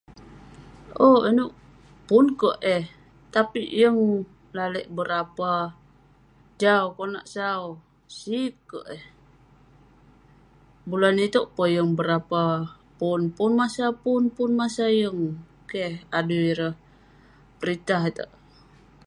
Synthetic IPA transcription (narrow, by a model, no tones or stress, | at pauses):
oinuʔ | pʊnkəʔɛh | t̪apijəŋ | laləʔbəɾapa | d͡ʒaukona̰ʔsau | sikːə̰ʔeh | bulanit̪oʔpəjəŋbəɾapa | punpunmasapunpʊnmasajəŋ | kehaduiɾəh | pəɾit̪aɦt̪ə̰ʔ